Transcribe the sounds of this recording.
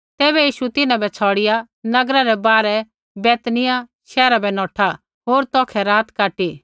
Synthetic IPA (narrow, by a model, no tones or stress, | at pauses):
t̪ɛːβɛjiːʃut̪ɪnãbɛt͡sʰɔːɽɪja | nɐɡɾaɾɛbaːɾɛ | bɛːt̪nɪjaʃɛːɾabɛnɔ̃ːʈʰa | ɦoːɾt̪ɔːkʰɛɾaːt̪kaːʈi